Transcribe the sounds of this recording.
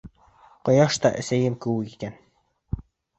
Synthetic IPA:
qŏjɑʃt̪ɑʔɘ̆sæjɘŋkɘwɘkikæn

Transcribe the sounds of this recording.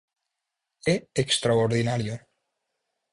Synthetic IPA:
eekst̪ɾaoɾðinaɾjo

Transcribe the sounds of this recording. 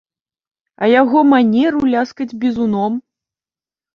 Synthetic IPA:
ɐjaɣɔmanʲɛɾulʲaskɐd͡zʲbʲizunɔm

